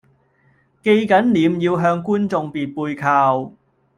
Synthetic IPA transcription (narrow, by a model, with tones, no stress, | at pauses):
ke˧jkɐ˨˥nliː˨˧mjiː˧wɦœː˧ŋkuː˥nt͡sʊ˧ŋpiː˨t̚puː˧jkʰaː˧w